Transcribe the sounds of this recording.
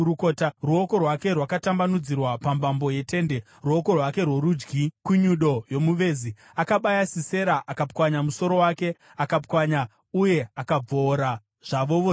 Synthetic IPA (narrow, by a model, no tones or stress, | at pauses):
ukotaruo̞ko̞rwake̞rwakatambanud͡zirwapambambo̞je̞te̞nde̞ | ruoko̞rwake̞rwo̞ɾud͡ʒɡikuɲuɗo̞jo̞muʋe̞ːzi | akaɓajasise̞ɾaʔakap̚kwaɲamuso̞ɾo̞wake̞ | akapkwaɲa | uje̞akab͡voːɾa | ʐ̥aʋo̞ʋo